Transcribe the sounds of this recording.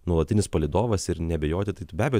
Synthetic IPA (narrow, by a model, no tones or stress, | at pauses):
nuɔlˠɐtʲɪnʲɪspɐlʲɪd̪oːʋɐsɪɾnʲɛbʲɛjoːt̪ʲɪt̪ɐɪbʲæːbʲɛjo